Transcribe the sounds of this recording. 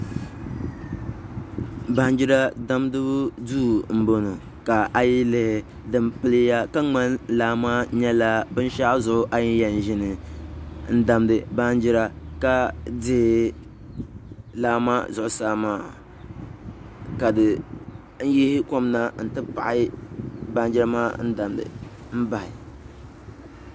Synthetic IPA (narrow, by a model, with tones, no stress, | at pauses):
ba˦n˦d͡ʒɪ˦ɾa˦da˦mdɨ˦bʊ˦duː˦˨m̩˦bo˦no˨ | ka˨ʔa˨ji˦lɨ˨hɪ˨ | dɨ˨mpɨ˦lɨ˦ja˦ka˦ŋ͡ma˦n˦laː˦ma˦ɲɛ˦la˦bɨ˦n˦ʃa˦zʊ˨ʔʊ˦ʔa˦jɪ˦jɛ˨n˨ʒɪ˦nɨ˨ | n̩˦da˦mdɨ˦ba˦n˦d͡ʒɪ˦ɾa˦ka˦dɪ˦hɪ˨˦ | laː˦ma˦zʊ˨ʔʊ˨saː˦maː˦˨ | ka˨dɨ˨ | n̩˦ji˦hɪ˦ko˦mna˦n̩˨tɨ˦pa̰˨ʔɪ˦ba˦n˦d͡ʒɪ˦ɾa˦ma̰ː˦n̩˦da˨mdɨ̰˨ | m̩˦ba˨hɪ˨